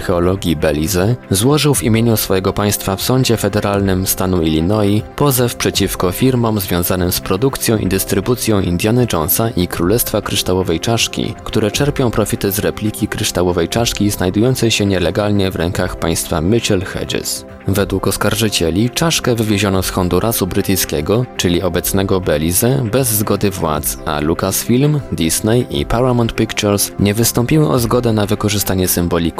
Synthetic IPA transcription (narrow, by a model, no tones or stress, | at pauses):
xɛɔlɔɡʲibɛlʲizɛzwɔʐɘwvimʲjeɲusfɔjɛɡɔpaj̃st̪fafsɔɲd͡ʑɛfɛd̪ɛɾalnɘmst̪anuilʲinɔjipɔzɛfpʂɛt͡ɕifkɔfʲiɾmɔmzvʲjɔ̃w̃zanɘmspɾɔd̪ukt̪sʲjɔ̃w̃ʔḭd̪ɘst̪ɾɘbut̪sʲjɔ̃w̃ḭnd̪janɘt͡ʂɔnsaʔikɾulɛst̪fakɾɘʂt̪awɔvɛjt͡ʂaʂkʲḭkt̪uɾɛt͡ʂɛɾpʲjɔ̃w̃pɾɔfʲit̪ɘzɾɛplʲikʲikɾɘʂt̪awɔvɛjt͡ʂaʂkʲiznajd̪ujɔnt̪sɛjɕɛɲɛlɛɡalɲɛvɾɛŋkaxpa̰j̃st̪famɘt͡ɕɛlxɛ̰dɛ̰s | vɛd̪wukɔskaɾʐɘt͡ɕɛlʲit͡ʂaʂkɛvɘvʲjeʑɔnɔsxɔnd̪uɾʔasubɾɘt̪ɘjskʲɛɡɔt͡ʂɘlʲiɔbɛt̪snɛɡɔbɛlʲizɛbɛzːɡɔd̪ɘvwa̰t̪sa̰lukasfʲilmd̪ʲisnɛjʔḭpaɾamɔnt̪̚pʲikt͡ʂɛɾsɲɛvɘst̪ɔmpʲiwɘʔɔzɡɔd̪ɛnavɘkɔʐɘst̪aɲɛsɘmbɔlʲiku